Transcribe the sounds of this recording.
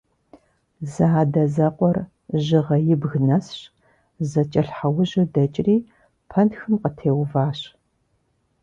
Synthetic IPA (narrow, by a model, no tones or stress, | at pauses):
zadɐzɐqʷʼɔr | ʒɪʁɐjɪbɣnɐsɕ | zɐt͡ʃʼɐɬħawʊʑɪdɐt͡ʃʼriː | pʰɐntxɨmqətʰeːwvaːɕ